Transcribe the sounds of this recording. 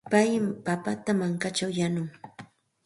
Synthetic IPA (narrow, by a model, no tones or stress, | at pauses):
pajpapat̪amaŋkat͡ʃawjanʊŋ